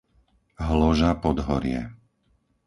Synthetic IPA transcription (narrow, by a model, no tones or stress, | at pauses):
ɦlɔʒapɔd̪ɦɔɾɪɛ̰